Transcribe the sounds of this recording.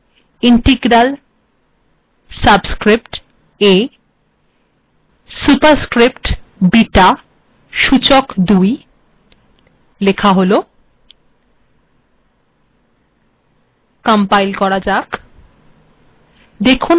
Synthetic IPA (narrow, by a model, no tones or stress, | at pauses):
iɳʈeɡɾal | sabskɾipʈ | e | supaɾskɾipʈbiʈa | ʃut͡ɕokd̪uj | lekʰaɦolo | kampajlkɔɾad͡ʑak | d̪ekʰu